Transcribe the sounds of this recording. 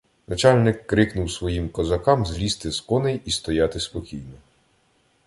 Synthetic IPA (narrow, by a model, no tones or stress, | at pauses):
nɐt͡ʃɑlʲnɪkːɾɪknʊwsʋɔjimkɔzɐkɑmzlʲist̪ɪskɔnɛjist̪ɔjɑt̪ɪspɔkʲijnɔ